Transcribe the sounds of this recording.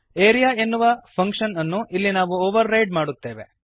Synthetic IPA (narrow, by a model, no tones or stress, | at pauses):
eːɾijae̞nːuʋɐpʰɐŋkʂɐnɐnːuʔilːinaːʋuoːʋɐɾːɐjɖ̚maːɽut̪ːe̞ːʋe̞̰